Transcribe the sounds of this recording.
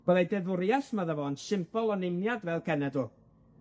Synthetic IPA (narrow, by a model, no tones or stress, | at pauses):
b̥əðˠejdɛðʊɾjasmaðəvɔnsɪmpɔlˠɔnɪmnjadvɛlˠkʰɛnɛdʊ